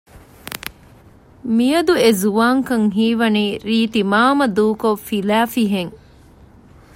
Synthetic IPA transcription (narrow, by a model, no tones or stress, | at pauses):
mijɐd̪uezuʋaːŋkɐŋɦiːʋɐniːɾiːt̪imaːmɐd̪uːkofilæːfiɦeŋ